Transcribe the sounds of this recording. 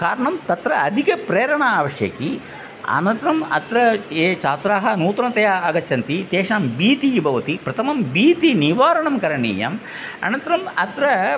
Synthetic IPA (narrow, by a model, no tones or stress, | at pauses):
kaːɾɐɳɐmt̪ɐt̪ɾɐɐd̪ʱikɐpɾeːɾɐɳɐaːʋɐʃjɐ̰ki | ɐ̰nɐnt̪ɾɐmɐ̰t̪ɾɐeːt͡ʃaːt̪ɾaːɦɐnuːt̪ɾɐnt̪ɐjaːɐɡɐtːt͡ʃɐnt̪it̪eːʂaːmbiːt̪ibʱɐʋɐt̪ipɾɐt̪ʰɐmɐmbiːt̪iniʋaːɾɐɳɐmkɐɾɐɳḭːjɐ̰m | ɐ̰nɐnt̪ɾɐmɐt̪ɾɐ